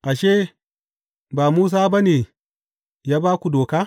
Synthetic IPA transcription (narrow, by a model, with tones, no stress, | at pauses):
ʔa˨ʃeː˦ | baː˨muː˦s̬aː˦ba˦neː˨ | jaː˦baː˦kʷu˨doː˨kaː˦